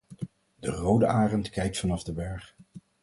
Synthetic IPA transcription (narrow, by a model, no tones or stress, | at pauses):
dərowdəʔaːrəntkɛjk̚tfɑnɑvdəbɛɹχ